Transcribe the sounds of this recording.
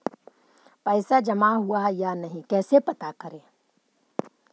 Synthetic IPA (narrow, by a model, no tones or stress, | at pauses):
pɛɪsad͡ʒɐmaɦʊajanɐɦĩkɛːsepɐt̪akəɾẽː